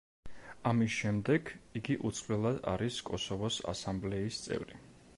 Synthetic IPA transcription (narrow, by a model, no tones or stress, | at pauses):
amisʃɛmd̪ɛɡiɡiʔut̪sʰʼχʼlɛlˠad̪a̰ɾiskʼɔsɔvɔsa̰samblɛist̪sʼɛ̰vɾi